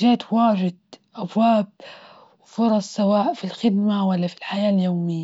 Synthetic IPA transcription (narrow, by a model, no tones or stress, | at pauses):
ʒeːt̪waːʒɪd̪̚ʔabwaːb̚ | wfʊɾˤɑsˤsawaːʔfilxɪd̪mawalːafilħajaːljoːmɪjːa